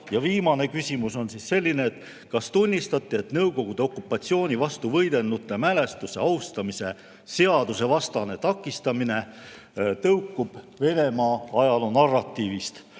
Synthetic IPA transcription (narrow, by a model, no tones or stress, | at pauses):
jɑviːmɑne̞kysʲimuso̞nsisse̞lʲːine̞ːt̪ːˑ | kɑst̪unʲːist̪ɑt̪ːˑie̞t̪nɤwko̞ɡ̥ud̪̥eo̞kːˑupˑːɑt̪sio̞ːnʲivɑst̪uvɤjd̪̥e̞lnːut̪ːˑe̞mæle̞st̪use̞ɑwst̪ɑmise̞ | se̞ɑd̪̥use̞vɑst̪ɑne̞t̪ɑkːˑist̪ɑmine̞ | t̪ɤwkːub̥ | ve̞ne̞mɑɑjɑlunɑrːɑt̪ˑːiːvist̪